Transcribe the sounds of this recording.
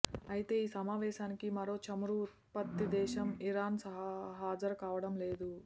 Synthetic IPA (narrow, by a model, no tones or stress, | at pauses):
ɐjit̪e̞ːiːsɐmaːʋɛːʃaːnikimɐɾo̞ːt͡ʃɐmɾu | pɐt̪ːid̪ɛːʃɐmiɾaːnsɐɦɐɦaːd͡ʒɐɾkaːʋɐɽɐmleːd̪u